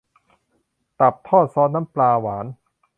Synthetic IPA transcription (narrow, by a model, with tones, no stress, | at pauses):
t̪a˨˩p̚t̪ʰɔː˥˩t̪̚sɔː˦˥˩na˦˥mplaː˧waː˩˦n